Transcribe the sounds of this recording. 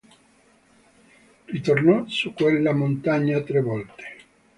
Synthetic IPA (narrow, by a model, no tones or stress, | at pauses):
rit̪ornɔsukːwelːamont̪aɲːat̪ɾevɔlt̪e̥